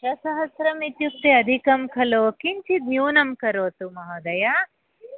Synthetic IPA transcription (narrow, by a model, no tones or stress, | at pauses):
ʃɐsɐɦɐsɾɐmit̪juk̚t̪eɐd̪ʱikɐmkʰɐloːkint͡ʃʰit̪njuːnɐmkɐɾoːt̪umɐɦɐd̪ɐja